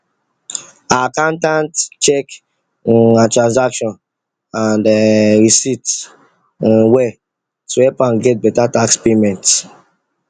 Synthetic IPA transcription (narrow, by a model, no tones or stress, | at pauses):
akãntãntt͡ʃɛk | atɹãnzakʃɔ̃n | ãndɹisit | wɛ | suɛpãnɡɛt̚bɛtatakspemɛ̃nt